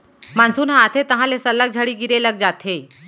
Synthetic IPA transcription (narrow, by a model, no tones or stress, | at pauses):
mansuːnɦãːt̪ʰet̪əɦãlesəlːək̚d͡ʑʱaɽiːɡiɾeləɡ̚d͡zat̪ʰe